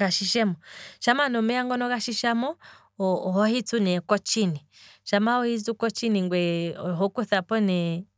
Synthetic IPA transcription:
aʃiʃɛmɔʃamanɔmɛaŋɡɔnɔkaʃiʃamɔ | hɔhit͡sunɛkɔt͡ʃiniʃamaɔhizukɔt͡ʃiniŋɡwɛɦɔkuθapɔnɛ

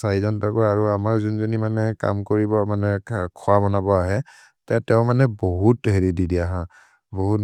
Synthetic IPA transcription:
saizɔntakɔaɹuamaɹzunzonimanɛka̰mkoɹibɔmanɛkʰɔwabɔnabɔaɦɛ | tɛtɛʊ̃manɛboɦutɦeɹididiaɦã | boɦu

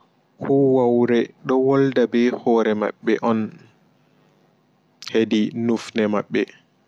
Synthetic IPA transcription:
hʰɔwawɾɛɗɔwɔldabɛhɔːɾɛma̰ɓːɛ̰ʔɔn | hedinufnɛmaɓːɛ

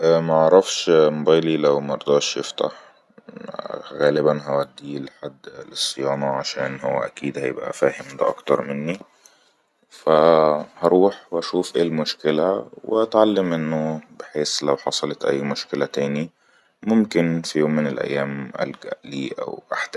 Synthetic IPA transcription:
ʔæmæʔɑʕɾˤɑfʃmobæːjlilæwmæɑɾˤd̪ɑːʃjeft̪a̰ħ | ɣæːlɪbænɦæwæd̪ːiːlħad̪ːlesˤːejɑːnɑʕaʃæːnhowːæ̰ʔækiːd̪hæjḛbʔæ̰fæːhemd̪æ̰ʔɑ̰kt̪ɑɾˤmɪnːi | fæhɑɾˤuːħwʔæʃuːfʔeːlmoʃkelæweʔæt̪ʕalːemʔenːobeħeːslæwħɑsˤɑlɑt̪ʔæ̰jːmoʃkelæt̪æːni | momkɪnfijoːmːɪnelʔæ̰jːæːmʔæ̰lɡæ̰ʔliːʔæ̰wʔaħd̪æ

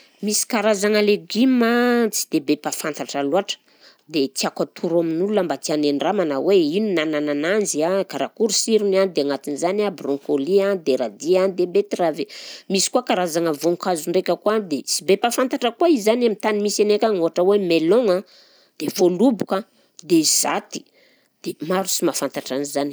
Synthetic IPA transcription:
misi̥kaɾazaŋəleɡimat͡si̥d̪ebepafant̪aʈ͡ʂaluaʈ͡ʂə̥ | d̪et̪iakat̪ʰuɾaminulunambat̪ianeɳɖ͡ʐamanaweinunananananziakaɾakuɾusiɾunand̪eaŋat̪inzanabrɔŋkoliand̪eɾad̪iand̪ebet̪ravemisi̥kuakaɾazaŋəvoŋkazuɳɖ͡ʐekʲəkuad̪et͡sibepafant̪aʈ͡ʂəkuaizanamit̪animisenekʲaŋoaʈ͡ʂəwemeloŋa | d̪̥efolubuka | d̪ez̥at̪i̥ | d̪̥emaɾusimafant̪aʈ͡ʂanizani̥

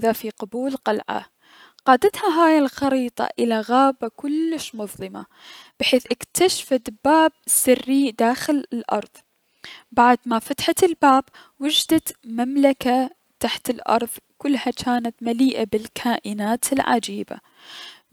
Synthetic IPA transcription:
ðafiqɑbuːlqɑlʕa̰ | qɑːd̪at̪haɦaːjɪlxɑɾiːt̪ˤɑ̰ʔɪlaɣaːbakʊlːɪʃmʊðˤlɪma̰ | b̥ɪħeːθʔɪkt̪ʰaʃfad̪baːb̚sɪrːid̪aːxɪlɪlʔɑ̰ɾˤðˤ | baʕd̪mafat̪ħatɪlbaːb | wʊd͡ʒd̪at̪mamlaka | t̪aħt̪ɪlʔɑ̰ɾˤðˤkʊlːhat͡ʃaːnat̪maliːʔabɪlkʰaːʔɪnaːt̪ɪlʕa̰d͡ʒiːba̰

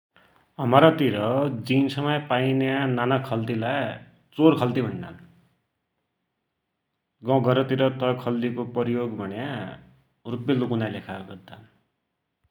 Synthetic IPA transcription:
ʌmaɾʌt̪iɾʌd͡zinsʌmʌjpainjananʌkʰːʌlt̪ilaj | t͡soɾkʰʌlt̪ibʱʌɳːa̰n | ɡʌ̃ɡʌɾʌt̪iɾʌt̪ʌjkʰʌlt̪ikopʌɾijoɡbʱʌnja | rupjelukunajlekʰaɡʌd̪an

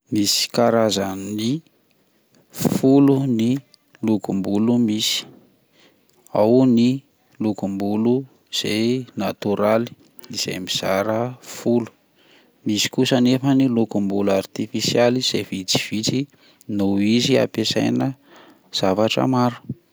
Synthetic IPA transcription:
misi̥kaɾazanni | fuluni | lukumbulumisi̥ | awni | lukumbulu | z̥ejnat̪uɾali̥ | iz̥a̰jmiz̥aɾəfulu̥ | misi̥kusənefənilukumbulart̪ifisializ̥evit͡si̥v̥it͡si | noizia̰pesajnə | z̥avaʈ͡ʂə̰maɾu̥

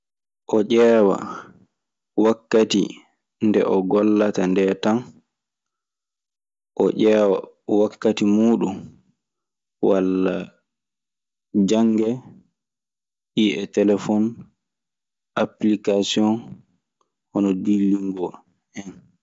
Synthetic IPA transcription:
ʔɔʔɛːwa̰ | wakːatḭ | ndɛ̰ʔɔɡɔlːatandɛtan | ʔɔʔɛːwa̰ | wakːatimuːɗum | walːa | d͡ʒaŋɡɛ | ʔiɛtɛlɛfɔn | ʔaplikasiɔn | hɔnɔdilːiŋɡɔ | ʔɛn

